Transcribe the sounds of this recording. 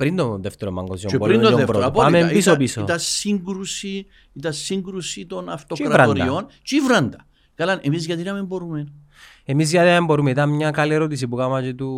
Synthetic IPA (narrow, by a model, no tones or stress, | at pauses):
pɾind̪onðeft̪eɾombɐ̰ŋɡozioeboɾind̪ooeɾopoamemisop̬isot̪ɐsiŋɡɾusi | it̪ɐsiŋɡɾusit̪o̞nɐft̪okiɾɐvɾɐndɾɐ̰ont͡ʃivɾɐnd̪ɐ | kɐlanʔemizʝɐt̪inɐmemboɾumen | emizʝɐt̪iɐmembo̞ɾumeit̪ɐnmɲɐkɐlieɾot̪is̬ipukamɐt͡ʃet̪u